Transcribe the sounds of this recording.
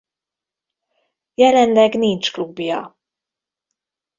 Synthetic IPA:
jɛlɛnlɛɡnint͡ʃklubjɒ̰

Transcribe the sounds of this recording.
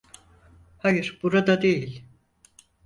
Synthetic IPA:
hajɯɾb̥uɾad̪ad̪ejilʲ

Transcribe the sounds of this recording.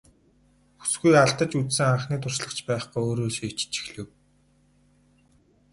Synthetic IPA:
xu̥sɡujaɮt̪ə̆t͡ɕut͡ssɘ̆ŋaɴχniːt̪ʰʊr̥sɮə̆kt͡ɕpæːχujoːɾoːsiːt͡ɕt͡ɕi̥xɮɘ̆w

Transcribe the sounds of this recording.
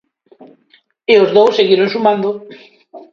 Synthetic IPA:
eozðowsːeɣiɾonsumãnd̪o

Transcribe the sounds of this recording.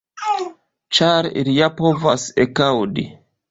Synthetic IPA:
t͡ʃaɾḭlijapo̞vasekawdi

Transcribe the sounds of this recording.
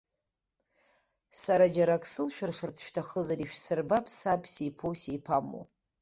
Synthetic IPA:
saɾad͡ʒaɾakʼʰsɨlʃᶣarʂɨrt͡sʰʃᶣtʰaχəzaɾiʃᶣsɨrbapʰʼsapʰʼsijpʰowsejpʰamo̰

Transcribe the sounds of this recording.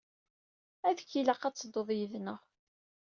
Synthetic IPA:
æðəçiləqːɑt͡sːd̪oðˤjəðnəʁ

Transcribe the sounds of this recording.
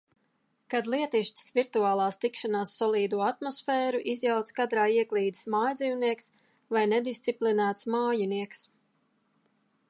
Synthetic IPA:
kad̪lˠiɛt̪iʃt̪svʲiɾt̪uaːlˠaːst̪ikʃanaːsːɔlˠiːd̪uɔat̪mɔsfɛːɾuʔizjawt̪skad̪ɾaːiɛɡlʲˠiːd̪i̥smaːjd̪ziːwniɛks | vajnɛd̪ist̪iplinæːt̪smaːjiniɛks

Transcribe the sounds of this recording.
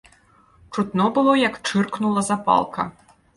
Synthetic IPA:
t͡ʂut̪nɔbɨlˠɔjɐkt͡ʂɨrknulˠɐzapa̰lˠkɐ̰

